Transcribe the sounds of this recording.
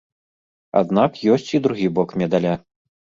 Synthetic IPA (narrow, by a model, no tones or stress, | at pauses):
a̰d̪nakjɔsʲt͡sʲid̪ɾuɣʲibɔkmʲɛd̪alʲa